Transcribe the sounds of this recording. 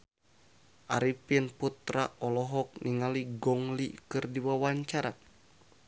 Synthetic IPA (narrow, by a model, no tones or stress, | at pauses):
ʔa̰ɾipinput̪ɾaʔɔlɔɦɔk̚niŋaliɡɔŋlikɨrdiwawaɲt͡ʃaɾa